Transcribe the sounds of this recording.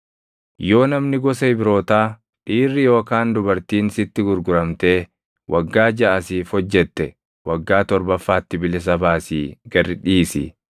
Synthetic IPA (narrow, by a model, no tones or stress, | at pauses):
jo̞ːnɐmnɪɡɔsɐɪbɪɾo̞ːt̪aː | ᶑiːrːɪjo̞ːkaːnd̪ʊbɐɾt̪iːnsɪt̪ːɪɡʊɾɡʊɾɐmt̪e̞ː | wɐɡːaːd͡ʒɐʔɐsiːfhɔd͡ʒːɛt̪ːɛ | wɐɡːaːt̪ɔɾbɐfːaːt̪ːɪbɪlɪs̬ɐbaːsiːɡɐɾɪᶑiːsɪ̰